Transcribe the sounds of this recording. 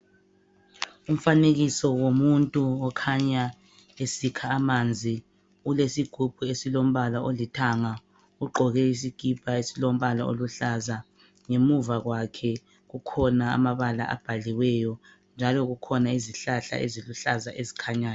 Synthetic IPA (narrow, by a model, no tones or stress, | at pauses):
um̩faneɣisɔwomuntʼuɔkʰaɲa | esikʰaːmand͡zʱi | ulesiɡ̥ʱub̥ʱuesilom̩βalaʔolitʰaŋa | uɡ͡ǃʱɔɣɛis̬iɡ̥ʱipʰʼaesilom̩βalao̰luɬaza | ŋemuvaɣwakʰɛ | ɣukʰɔnaa̰maβala̰ʔa̰b̥ʱaliwɛjɔ | nd͡ʒʱalɔɣukʰɔnaiziɬaɬa̰ʔḛziluɬazaʔezikʰaɲaːn